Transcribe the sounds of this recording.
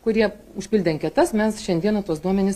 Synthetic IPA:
kʊɾʲiɛ | ʊʃʲpʲɪlʲd̪ʲɛmkʲɛt̪ɐsmʲɛsʃʲɛnʲd̪ʲiɛnɐt̪uɔsd̪uɔmʲɛnʲɪs

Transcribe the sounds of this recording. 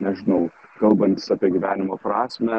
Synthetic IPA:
nʲɛʒʲɪnɐʊkɐlˠbɐnʲt̪ʲɪ̥sɑːpʲiɛɡʲiʋʲæːnʲɪmoːpɾɑːsʲmʲɛ

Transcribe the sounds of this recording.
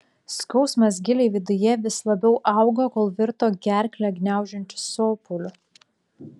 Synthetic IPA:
skɔʊsmɐs̬ɡʲɪlʲeɪʋʲɪd̪ʊjɛʋʲɪslˠɐbʲɛʊʔɑˑʊɡokoːlˠʋʲɪɾt̪oːɡʲæˑɾʲklʲɛɡʲnʲæˑʊʒʲɛnʲt̪ʲɪ̥soːpʊlʲʊ

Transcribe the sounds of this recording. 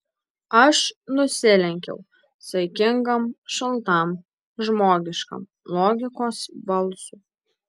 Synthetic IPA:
ɐʃnʊsʲɪlʲɛŋʲkʲɛ̰ʊ | sɐɪkʲɪŋɡɐmʃɐlˠt̪ɐm | ʒmoːɡʲɪʃkɐ̰m | lˠoːɡʲɪkoːsbɐlˠsuː

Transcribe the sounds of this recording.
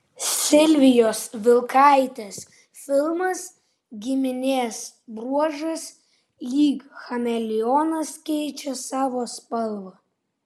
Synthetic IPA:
sʲɪlʲʋʲɪjoːsʋʲɪlˠkɑˑɪt̪ʲes | fʲɪlˠmɐs | ɡʲɪmʲɪnʲeːs | bɾuɔʒɐs | lʲiːkxɐmʲɛlʲɪɔnɐskʲɛɪt͡ʃʲɛsɑːʋoːspɐlˠʋɐ

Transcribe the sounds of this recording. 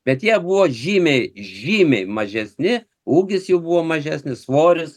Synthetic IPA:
bʲɛt̪jiɛbʊʋoːʒʲiːmʲɛɪʒʲiːmʲɛɪmɐʒʲɛsʲnʲɪ | uːɡʲɪsjɛʊbʊʋoːmɐʒʲæːsʲnʲɪsʋoːɾʲɪs

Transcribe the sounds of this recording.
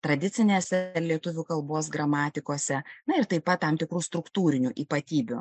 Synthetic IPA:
t̪ɾɐd̪ʲɪt͡s̪ʲɪnʲeːsʲɛlʲiɛt̪ʊʋʲuːkɐlˠboːs̬ɡɾɐmɑːt̪ʲɪkoːsʲɛnɐɪɾt̪ɐɪpɐt̪̚t̪ɐmt̪ʲɪkɾuːst̪ɾʊkt̪uːɾʲɪnʲuʔiːpɐt̪ʲiːbʲʊ̰

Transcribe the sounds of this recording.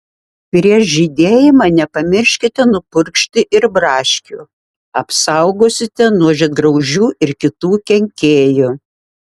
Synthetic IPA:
pʲɾʲiɛʃʒʲid̪ʲeːjɪmɑːnʲɛpɐmʲɪɾʲʃʲkʲɪt̪ʲɛnʊpʊɾʲkʃʲt̪ʲɪʔɪɾbɾɑːʃʲkʲu | ɐpsɐʊɡoːsʲɪt̪ʲɛnuɔʒʲɛt̪̚ɡɾɐʊʒʲuːʔɪɾkʲɪt̪uːkʲɛŋʲkʲeːjʊ

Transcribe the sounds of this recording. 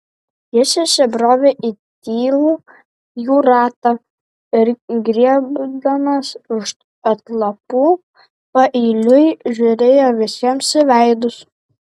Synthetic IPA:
jɪʃʲɛʃʲɛbɾoːʋʲeʔit̪ʲiːlˠuː | juːɾɑːt̪ɐ | ɪɾɡɾʲiɛbd̪ɐmɐsɪʃ | ɐt̪lˠɐpuː | pɐʔiːlʲʊɪʒʲuɾʲeːjoːʋʲɪsʲiɛmsʲɪʋʲɛɪd̪ʊs

